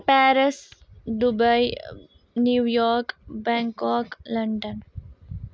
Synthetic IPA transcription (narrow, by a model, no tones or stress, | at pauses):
pæːɾɪsɖubaɪ | njuːjɔːɾkbɛ̃ŋkɔːklɐ̃ɳɖə̃n